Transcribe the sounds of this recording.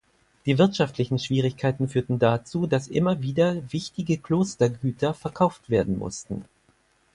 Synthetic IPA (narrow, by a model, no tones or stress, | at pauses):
d̥iːvɪɐtʃaftʰlɪçn̩ʃv̥iːʁɪçkʰaɪtn̩fyːɐtn̩dat͡suːdasʔɪ̰mɐviːdɐvɪçtɪɡəkloːstɐɡyːtʰɐfɛɐkʰaʊftv̥eːɐdn̩mʊ̰stn̩